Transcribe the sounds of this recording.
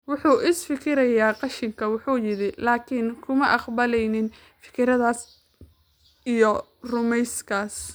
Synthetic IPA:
wʊħuːʔɪsfɪkʰɪɾɐjaːqɑʃɪŋkʰɐwʊħuːjɪɾɪlaːkʰɪnkʰʊmɐʔɑqbɐlɛjnɪn | fɪ̥kʰɪɾɐðaːs | ijɔ | rʊmɛjskʰaːs

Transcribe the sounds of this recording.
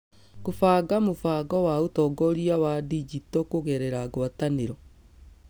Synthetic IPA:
ɣofaːɣamofaːɡɔwaotɔɡɔɾiawadid͡ʒitɔkoɣɛɾɛɾaɣwataneɾɔ

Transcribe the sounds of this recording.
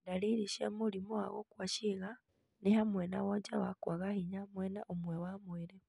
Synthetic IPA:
ndaliɾiʃamulimoa̰ɣokwaʃiɣa | nehamwenaɣoɲd͡ʒawakwaɣahiɲamwenaʔumwewamweɾe

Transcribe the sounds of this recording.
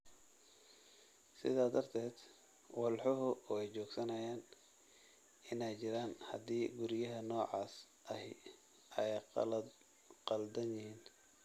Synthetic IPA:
sɪ̰ðaːd̪ɐrt̪ʰɛːd̪ | wɑlħɔɦʊʔɔɛjt͡ʃɔːɡsɐnɐjaːn | ɪnɛjt͡ʃɪɾaːnhɐd̪iːɡʊɾɪjɐɦɐnɔːʕɑːs | ʔɐɦɪ | ʔɛj | qɑld̪ɐnjɪhiːn

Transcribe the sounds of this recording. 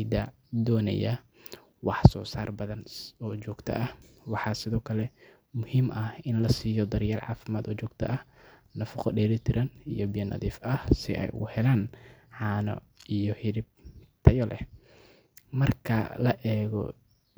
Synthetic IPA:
d̪ɐ | d̪ɔːnɐ̰jɐ | wɑħsɔːsaːrbɐðɐnɔːt͡ʃɔːɡt̪ʰɐ̰ʔɐh | wɑħɑːsɪðɔːkʰɐlɛ | mʊhiːmʔɐhɪnlɐsiːjɔd̪ɐɾjaːlʕɑ̰ːfɪmaːd̪ɔːt͡ʃɔːɡ̚t̪ʰɐ̰ʔɐh | nɐfɐqɔɖɛːɾɪt̪ʰɪɾʔɐnijɔbijɐnɐ̰ðiːfɐhsɪ̰ʔɛ̰jʊhɛlaːnʕɑːnɔ̰ | ijɔhɪɾɪb̚t̪ʰɐjɔlɛ̰h | mɐrkʰɐ̰lɐʔɛːɣɔ̰

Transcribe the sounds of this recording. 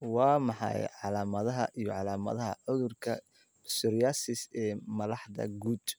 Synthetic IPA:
wɑːmɑħɑ̰jʕɑlaːmɐðɐɦɐʔijɔʕɑlaːmɐ̰ðɐɦɐʕʊðʊrkʰɐ̰ | sʊɾjaːsɪsɛːmɐðɑħðɐ̰ɡuːd̪̥

